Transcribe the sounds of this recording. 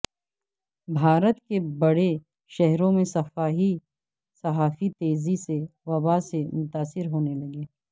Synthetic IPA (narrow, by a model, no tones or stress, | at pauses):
bʱaːɾət̪kebɐɽe | ʃɛɦɾõmẽsɐfaːɦi | sɐɦaːfit̪eːziseʋɐbasemʊt̪aːsɪɾɦoːnelɐɡeː